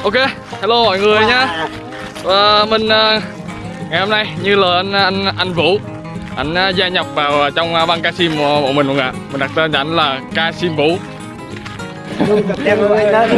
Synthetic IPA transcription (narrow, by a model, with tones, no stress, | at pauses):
ʔo˧ke˧ | haː˧˦lo˧mɔ̰˧˨jŋɨ˨˩əjɲaː˧ | əː˨˩mï˨˩ŋ̟ʔəː˨˩ | ŋa˨˩jho˧mna˧jɲɨ˧ləː˨˩ʔn˧nʔa˧jŋ̟vṵ˧˥ | ʔa˧˩jŋ̟ʔaː˧˦zaː˧ɲə˨˩k͡p̚vaː˨˩wːt͡ɕɔ˧wŋ͡mvaː˧nkaː˧si˧m˧˨mo̰˧˨mï˨˩ŋ̟ʔu˧˦ŋʔa̰ː˧˨mi̟˨˩ɗa˨˩k̪̚ːt͡ɕa˧˩ʔnlaː˨˩kaː˧si˧mvṵ˧˥˧